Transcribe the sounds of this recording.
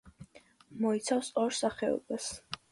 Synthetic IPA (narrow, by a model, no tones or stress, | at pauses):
mɔit̪sʰafsɔɾsaχɛɔ̰bas